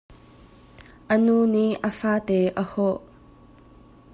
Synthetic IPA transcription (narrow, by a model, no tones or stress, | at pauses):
ʔənuniʔʔəfaːt̪eʔəhɔʔ